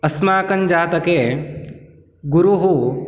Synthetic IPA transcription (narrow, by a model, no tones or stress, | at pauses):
ɐsmaːkɐnd͡ʒaːt̪ɐkeː | ɡuɾuɦu